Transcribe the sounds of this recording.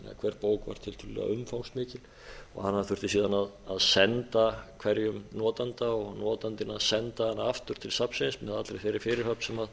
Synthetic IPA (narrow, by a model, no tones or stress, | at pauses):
na̰kʰv̥ɛɾpoːwkva̰ɾ̥t̪ʰɪlt̪ʰʏlʏlɛ̰ɣa̰ʏmfawŋsmɪːcɪl | ɔ̰ɣhanːaðθʏr̥t̪ɪsiːðanaðaðsɛnt̪akʰvɛɾjʏmnɔːt̪ant̪aɔɣnɔːt̪ant̪ɪnaðsɛnt̪ahanːaaft̪ʏɾ̥t̪ʰɪlsapsej̪smɛðat̪ɾefɪːɾɪ̥fɪɾɪɾhœpsɛmað